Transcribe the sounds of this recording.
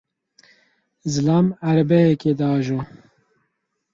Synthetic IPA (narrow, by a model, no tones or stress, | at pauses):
zɨlaːmæɾbɛhɛked̪aːʒu